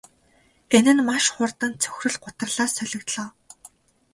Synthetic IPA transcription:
ɡ̥enɘ̆nmaʃχʊrt̪ə̆nt͡sʰɵ̥xrɘ̆ɮɢʊt̪ə̆rɮaːsœɮʲɵ̆kt̪ɮɔː

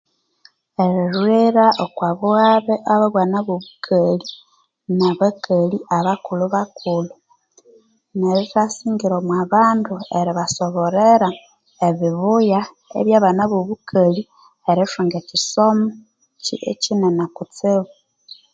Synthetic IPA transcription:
eɾiɾwiɾaʔokwaβuɣaβeʔaβaβwanaβoβukʰali | naβakʰaliʔaβakuluβakʰulu | neɾitasiːŋɡiɾomwaβaːndueɾiβasoβoɾeɾa | eβiβuja | ḛβjaːβanaβoβukʰali | eɾiʃuŋɡecisomu | cḭḛcinenakut͡siβu

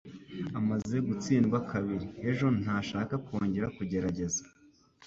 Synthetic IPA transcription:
amaze̞ɡut͡siːnɡwakʰaβiɾie̞ʒo̞n̥aːʃaːkakoːɲɟe̞ɾakuɟe̞ɾaɟe̞zḁ

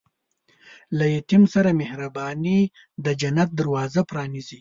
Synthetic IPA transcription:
lajet̪imsaɾamehɾabɑni | d̪əd͡ʒanat̪̚d̪aɾwɑzapɾɑnizi

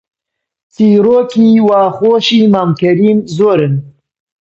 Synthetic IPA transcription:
t͡siːɾoːkiːwaːxoːʃiːmaːmkɐɾiːmzoːɾɨn

